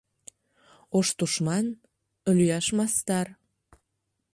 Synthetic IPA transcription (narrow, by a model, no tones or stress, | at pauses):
oʃt̪uʃmɑn | lyjɑʃmɑst̪ɑr